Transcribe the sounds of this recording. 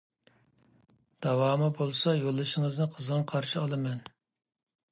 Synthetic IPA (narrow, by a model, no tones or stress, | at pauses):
d̪̥ɑwɑːmɨbolˠsɑjolˠːɨʃɪŋəznɨqʰəzʁɑqʰɑɾʃiɑlˠɨmɛn